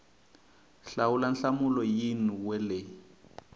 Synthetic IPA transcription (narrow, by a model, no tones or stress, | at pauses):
ɬawulanɬamulɔjinuwɛle